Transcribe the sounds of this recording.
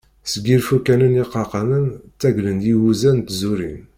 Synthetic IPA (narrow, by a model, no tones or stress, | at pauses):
səɡilfukːænəniqːɑqɑmənt͡sːæɡlənd̪iwuzænt̪zuɾḭn